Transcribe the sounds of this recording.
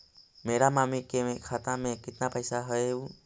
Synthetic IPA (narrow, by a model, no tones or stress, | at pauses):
mẽɾamãmĩkemẽkʰat̪ãmẽkit̪nãpəjsaɦəeu